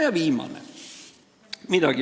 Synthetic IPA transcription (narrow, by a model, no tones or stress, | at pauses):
jɑʋiːmɑ̰nḛ | mit̪æki